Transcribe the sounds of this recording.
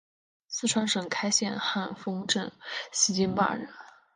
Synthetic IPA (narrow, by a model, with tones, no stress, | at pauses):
sɹ̩˥˩ʈ͡ʂʰwa˧˥nʂɤ˨˩ŋkʰa˥ɪɕjɛ˥˧nxa˥˩nfɤ˥ŋʈ͡ʂɤ˥˩nɕi˧˥t͡ɕi˥npa̰˥˩ɻə˧˥n